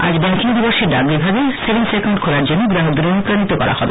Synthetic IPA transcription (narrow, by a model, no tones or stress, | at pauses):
a̰d͡ʑbɛŋkiŋd̪ibɔʃeɾɖaɡlibʱabesebensekaw̃ɳɖkʰolaɾd͡ʑonːoɡɾaɦod̪d̪uɾonupɾanit̪okɔ̰ɾa̰hɔbe